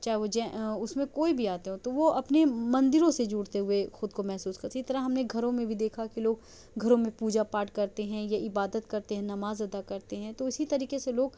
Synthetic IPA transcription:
t͡ʃaːɦɛʋod͡ʒɛ̃ʊsmẽkoːibʱiaːt̪eɦõt̪oʋoʔɐpnemɐ̃nd̪ɪɾõsed͡ʒuːɽt̪eɦʊexʊd̪komɛɦsuːskɐɾsit̪ɐɾəɦɐmneɡʱɐɾõmẽbʱid̪eːkʰakiloːɡ | ɡʱɐɾõmẽpuːd͡ʒapaːʈkɐɾt̪eɦɛ̃jaɪbaːd̪ət̪kɐɾt̪eɦɛ̃nɐmaːzɐd̪akɐɾt̪eɦɛ̃t̪oɪsit̪ɐɾiːkeseloːɡ

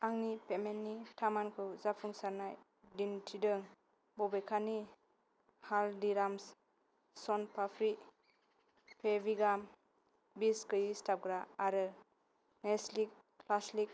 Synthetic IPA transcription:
aŋnipemenːitʰamankʰɯwzapʰuŋsaɾnaj | dintʰidɯŋ | bɔbekʰani | haldiɾams | sɔnpʰapʰɾi | pʰebiɡam | biskɯjistap̚ɡɾaːɾɯ | nɛslik̚ː | laslik̚

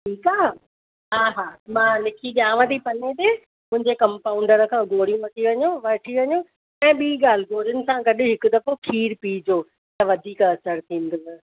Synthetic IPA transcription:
ʈʰiːkaː | ɦaːɦaːmãːnɪkʰiɗjaːʋə̃t̪ʰipɐnet̪e | mʊ̃ɦɪ̃ɲd͡ʑekɐmpaːʊ̃ɳɖəɾə̆kʰãːɡoːɽijũʋɐʈ̪ʰiʋɐɲoʋɐʈʰiʋɐɲo | ɛ̃ːɓiːɡaːl̤ɪɡoːɾjʊnɪ̆sãɡɐɗʊ̆ɦɪkʊ̆d̪ɐfokʰiːɾpiːd͡ʑoː | t̪ɐʋɐd̪ʱiːkɐsəɾt̪ʰĩːn̆d̪ɪsɪ̆

